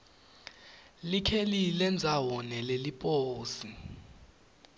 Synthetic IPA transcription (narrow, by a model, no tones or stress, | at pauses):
likʰelilɛnd͡zʱawɔnɛlelipʼoːsi